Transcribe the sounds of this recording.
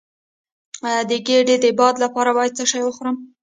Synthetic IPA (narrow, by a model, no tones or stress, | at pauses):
ɑjɑd̪əɡeɖed̪əɪbɑd̪lapɑɾabɑjad̪̚t͡səʃɑjwəxoɾəm